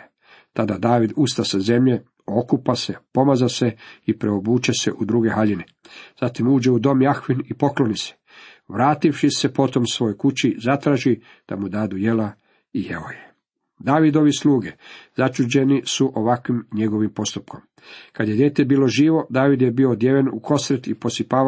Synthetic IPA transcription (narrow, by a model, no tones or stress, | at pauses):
t̪ad̪ad̪aːʋid̪ust̪asaze̞mʎe̞ | o̞kupase̞po̞mazase̞ipɾeobuːt͡ɕase̞ʔud̪ɾuːɡe̞ɦaʎine | z̥at̪imuːd͡ʑe̞ud̪o̞mjaxʋinipo̞klo̞nise̥ | ʋɾaːt̪ifʃise̞po̞t̪o̞msʋo̞jojkut͡ɕizat̪ɾaːʒi | d̪̥a̰mud̪aːd̪uje̞la | ijeo̰je | d̪aːʋid̪o̞ʋisluːɡe̞zat͡ʃud͡ʑe̞nisuʔo̞ʋakʋimɲe̞ɡo̞ʋimpo̞st̪upko̞m | kad̪jed̪je̞ːt̪e̞biːlo̞ʒiːʋo̞d̪aːʋid̪jebio̞d̪jeːʋenṵkʰo̞sɾet̪ipo̞sipaː